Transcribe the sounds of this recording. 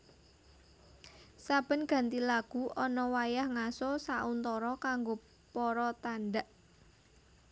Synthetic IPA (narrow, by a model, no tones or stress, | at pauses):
sab̥ə̤nɡ̥ä̤nt̪ilaɡ̥uʔɔnɔwajahŋasosaunt̪ɔɾɔkaŋɡo | pɔɾɔt̪anɖaʔ